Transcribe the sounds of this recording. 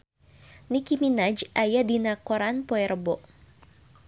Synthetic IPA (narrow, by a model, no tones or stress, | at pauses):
nikiminad͡ʒʔajadinakɔɾanpɔɛɾəbɔʔ